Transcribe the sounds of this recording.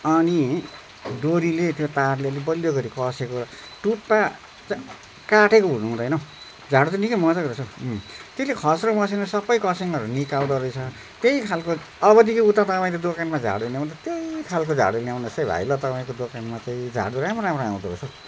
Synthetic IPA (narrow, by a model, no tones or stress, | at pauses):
ʌni | d̪oɾilet̪jot̪arlelebʌljoɡʌɾikʌsekoʌ | ʈuʈ̚pa | t͡sã | kaʈekounuɦũd̪ʌjnʌ | d͡zʱaɽut̪ʌnikʌmʌt͡saɡʌd̪ʌt͡sʰut̪eslekʰʌsɾomʌsenʌsʌbːʌjkʌsiŋʌɾunikawɡ̪ʌrd̪ʌjt͡sʰʌ | t̪ejkʰalko | ʌbʌd̪ikiut̪ːat̪ʌpaĩt̪ed̪okanmad͡zʱa̰ɽuljaw̃nt̪ʰʌt̪ejkʰalkod͡zʱa̰ɽulawnʌsʌjbʱa̰jlʌt̪ʌpaĩkod̪okanmat͡sãĩd͡zʱa̰ɽuɾãmʌɾãpʌɾaãw̃d̪uɾot͡sʰu